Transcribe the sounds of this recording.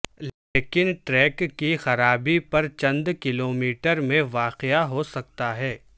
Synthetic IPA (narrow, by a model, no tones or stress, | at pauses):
l | eːkɪnʈɾɛːkkːixɐɾaːbipɐɾt͡ʃɐ̃nd̪kɪloːmiːʈəɾmẽʋaːqɪaɦosɐk̚t̪aɦɛː